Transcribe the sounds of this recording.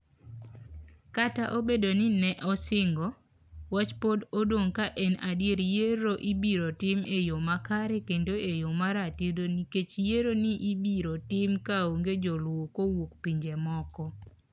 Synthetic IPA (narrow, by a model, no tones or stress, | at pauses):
kataʔobedonɪnɛʔɔsɪŋɡɔ | wat͡ʃpododwoŋkaʔɛnadjeɾjeɾoʔibiɾotɪmejomakaɾɛkendoʔejomaɾatidoniket͡ʃjeɾoniʔibiɾotɪmkaoŋɡed͡ʒɔlwokowokpiɲd͡ʒɛmɔkɔ